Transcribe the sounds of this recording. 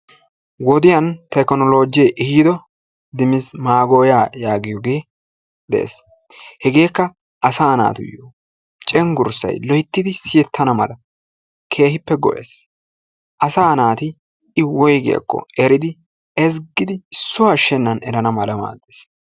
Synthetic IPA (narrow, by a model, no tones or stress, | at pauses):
wɔd̪ɪjɐnt̪ɐkɔnɔlo̞ːd͡ʒɪjɛʔɪhiːd̪ɔ | d̪ɪmɪsmaːɡoːjaːjaːɡɪjɔɡe̞ː | d̪ɛ̰ʔḛːs | hɛɡe̞ːkːɐ | ʔɐsaːna̰ːt̪ʊ̰jo | t͡ʃʼɛŋɡʊɾsɐ̰jlɔjɪt̪ːɪd̪ɪsɪjɛt̪ʰːɐnɐmɐ̰lɐ | kʰe̞ːɦɪpːɛɡɔ̰ʔḛːs | ʔɐsaːnaːt̪ɪ | ɪwɔjɡɪ̰ɐ̰kːɔ̰ɛɾɪd̪ɪ | ɛs̬ɡɪd̪ɪɪsːʊwɐʃːɛnːɐnɛɾɐnɐmɐlɐma̰ːd̪ːes